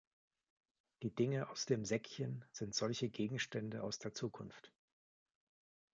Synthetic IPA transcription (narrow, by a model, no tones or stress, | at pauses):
d̥iːdɪŋəʔaʊsd̥eːmzɛkçənz̥ɪntz̥ɔlçəɡeːɡŋ̩ʃtɛndəʔaʊsd̥eːɐt͡suːkʰʊnft